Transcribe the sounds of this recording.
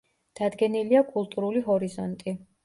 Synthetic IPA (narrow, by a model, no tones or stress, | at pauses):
d̪̥ad̪ɡɛniliakʼulˠt̪ʼuɾuliɦɔɾizɔnt̪ʼi